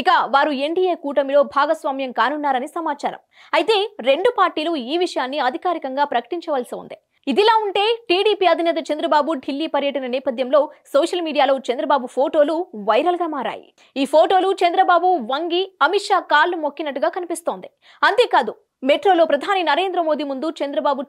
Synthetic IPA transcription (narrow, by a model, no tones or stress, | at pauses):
ikɐʋaːɾueɳɖiːeːkuːʈɐmilo̞ːbʱaːɡɐsʋaːmjɐŋkaːnunːaːɾɐnisɐmaːt͡ʃaːɾɐ̰m | ɐjt̪e̞ːɾe̞ɳɖupaːɾʈiːluiːʋiʂɐjaːnːiɐd̪ʱikaːɾikɐŋɡaːpɾɐkɐ̥ʈiɲt͡ʃɐʋɐlsiṵnd̪i | id̪ilaːuɳʈe̞ːʈiːɽiːpiːɐd̪ʱinɛːt̪̬ɐt͡ʃɐnd̪ɾɐbaːbuɖʱilːiːpɐɾjɐʈɐnɐnɛːpɐd̪ʱjɐmlo̞ːsoːʂɐlmiːɽijaːloːt͡ʃɐnd̪ɾɐbaːbupʰo̞ːʈo̞ːluʋɐjɾɐlɡaːmaːɾa̰ːjḭ | iːpʰoːʈo̞ːlut͡ʃɐnd̪ɾɐbaːbuʋɐŋɡiɐmiʈʂaːkaːlːumokːinɐʈːuɡaːkɐnipist̪o̞ːnd̪i | ɐnt̪e̞ːkaːd̪u | meʈɾo̞ːlo̞ːpɾɐd̪ʱaːninɐɾe̞ːnd̪ɾɐmoːd̪iːmund̪ut͡ʃɐnd̪ɾɐbaːbu